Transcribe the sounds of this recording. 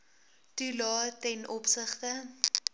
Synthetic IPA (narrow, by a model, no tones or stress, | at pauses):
tulɑːtɛnɔpsəχtə